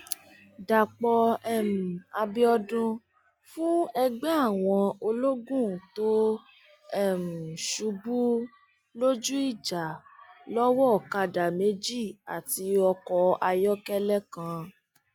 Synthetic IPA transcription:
da˨k͡pɔ˧ɛ˦˨m̩˨a˧bi˦ɔ˧dũ˧ | fũ˦ɛ˧ɡ͡bɛ̃˦a˦˨w̃ɔ̃˧o˧lo˦ɡũ˦˨to˦ | ɛ˦˨m̩˨ʃu˧bu˦ | lo˦d͡ʒu˦i˦˨d͡ʒa˨lɔ˦wɔ˦˨ka˧da˨me˨˦d͡ʒi˦˨a˨ti˧ɔ˧kɔ˧a˧jɔ˦kɛ˦lɛ˦kã˦˧

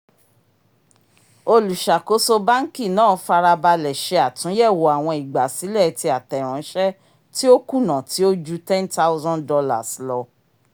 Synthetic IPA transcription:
o˧lu˨ʃa˨ko˨˦so˧ba˦ŋ̩˦ki˦˨nãː˦˨˦fa˧ɾa˧ba˧lɛ˨ʃe˧a˨tũ˨˦jɛ˦˨wo˨a˨w̃ɔ̃˧i˨ɡ͡ba˨si˨˦lɛ˦˨ti˧˦a˨tɛ˨ɾ̃ɔ̃˨˦ʃɛ˦ | ti˦o˦ku˦˨nã˨tʰi˨˦o˦d͡ʒu˦tɛ̃˦nta˦wzã˦ndɔ˧la̰˨slɔ˧

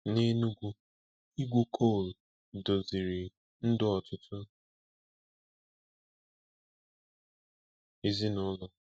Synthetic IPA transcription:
ne˦nu˦ɡʷu˦ | i˦ɡʷu˦kʰo˦˨l | do˨zi˨ɾi˨ | n̩˦dʊ˦ɔ˨tʊ˦tʰʊ˦ | e˦zi˦nʊ˦lɔ˨

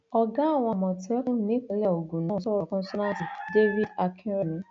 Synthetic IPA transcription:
ɔ˦ɡa˦a˦˨w̃ʷã˨mɔ̃˨ti˦ɔ˦knĩ˦kle˦˨o˨ɡu˨nɔ̃˦˨sɔ˦ɾɔ˨kɔ̃˦sɔ˦nã˦ti˨de˦vi˦da˨kʰĩ˦ɾe˦nĩ˦

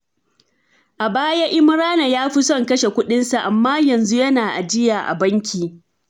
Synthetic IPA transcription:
ʔa˨baː˦ja˦ʔɪ˦m˦ɾaː˦na˨jaː˦ɸɪ˦sɔ˦˨ŋkɐ˦ʃe˨kʷʊ˦ɗɪ˦nsa˨ʔa˨mːaː˦jɐ˨nzu˦jɐ˦naː˨ʔa̰˨d͡ʒɪ˦jaː˨ʔa̰˨bɐ˦ŋkʲiː˨

